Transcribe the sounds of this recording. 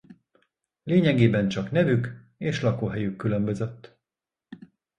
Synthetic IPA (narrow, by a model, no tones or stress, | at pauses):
leːɲɛɡeːbɛnt͡ʃɒknɛvyk | eːʃlɒkoːɦɛjykːylø̞mbø̞zø̞t̪ː